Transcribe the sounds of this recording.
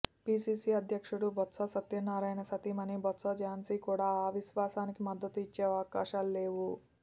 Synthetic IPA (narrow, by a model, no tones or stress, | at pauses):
piːsiːsiːɐd̪ʱjɐkʂuɽubɐt̪sɐsɐt̪ːjɐnaːɾaːjnɐsɐt̪iːmɐnibɔt̪sɐːd͡ʒaːnsikuːɽaːaːʋiʃʋaːsaːnikimɐd̪ːɐt̪uit͡ʃːeːaːkaːʃaːlleːʋu